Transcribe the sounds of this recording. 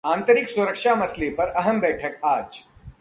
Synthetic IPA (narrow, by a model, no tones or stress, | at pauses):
ãːnt̪əɾɪksʊɾəkʃamɐslepɐɾɐɦəmbɛːʈʰəkaːd͡ʒ